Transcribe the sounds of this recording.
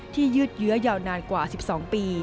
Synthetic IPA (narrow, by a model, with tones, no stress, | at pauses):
t̪ʰiː˥˩jɯ˦˥t̪̚jɯ˦˥ɐjaː˧wnaː˧nkwaː˨˩si˨˩p̚sɔː˩˦ŋpiː˧